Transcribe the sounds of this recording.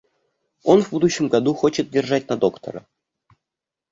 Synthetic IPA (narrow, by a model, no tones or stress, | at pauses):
onvbud̪uɕːəmɡad̪uxot͡ɕət̪̚dʲerʐat̚ʲnad̪okt̪o̰ɾɤ̰